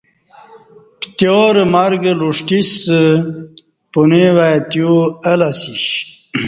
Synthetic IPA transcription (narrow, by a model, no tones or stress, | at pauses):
pt̪joːɾəmaɾɡəluʂʈisə | punewajt̪juəlasiɕ